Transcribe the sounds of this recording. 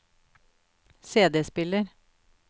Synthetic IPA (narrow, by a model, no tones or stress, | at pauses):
seːd̪eːspɪləɾ